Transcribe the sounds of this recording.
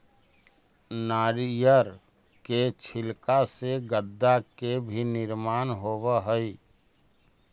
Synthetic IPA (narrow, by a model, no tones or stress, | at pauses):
naːɾijəɾ | ket͡ʃʰɪlkaseɡəd̪ːakebʱinɪɾmaːnɦoːwaɦəi